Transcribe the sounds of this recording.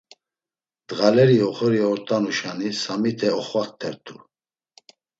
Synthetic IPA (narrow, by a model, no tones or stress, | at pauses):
d̪̥ɣalɛɾiɔχɔɾiɔɾt̪ʼanuʃanisamit̪ʰɛɔχvak̚t̪ʰɛɾt̪ʰu